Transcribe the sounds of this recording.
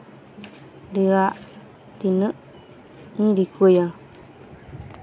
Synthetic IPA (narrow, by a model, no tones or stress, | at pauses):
ɾiɣa | t̪inɨ̃ʔ | ĩɾikujã